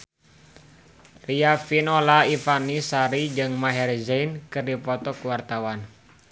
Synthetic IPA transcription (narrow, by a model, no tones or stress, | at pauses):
riafinolaifanisaɾid͡ʒɨŋmaɦɛrd͡ʒɛjnkɨrdipɔt̪ɔkuwart̪awan